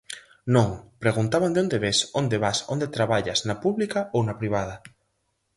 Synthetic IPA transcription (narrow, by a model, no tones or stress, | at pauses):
nõŋpɾeɣunt̪aβand̪eond̪eβesond̪eβasond̪et̪ɾaβaʎɐsnɐpuβlikɐownɐpɾiβ̞aðɐ